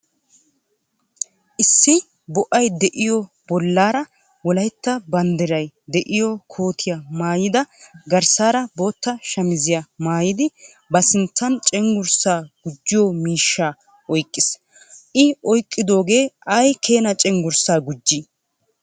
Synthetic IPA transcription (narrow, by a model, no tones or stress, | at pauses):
ʔɪsːɪ | bɔʔɐjd̪ɛʔɪjɔ | b̥ɔlːaːɾɐ | wɔlɐjt̪ːɐbɐnd̪ɛɾɐjd̪ɛʔɪjɔkʰo̞ːt̪ʰɪjɐmaːjɪd̪ɐɡɐɾsaːɾɐbo̞ːt̪ːɐʃɐmɪzɪjɐmaːjɪd̪ɪ | bɐsɪnt͡sːɐnt͡ʃʼɛŋɡʊɾsaːɡ̥ʊd͡ʒːɪjɔmiːʃːaː | ʔɔjkʼːɪs | ʔɪɔjkʼːɪd̪o̞ːɡe̞ːɐjkʰe̞ːnɐt͡ʃʼɛŋɡʊɾsaːɡʊd͡ʒːi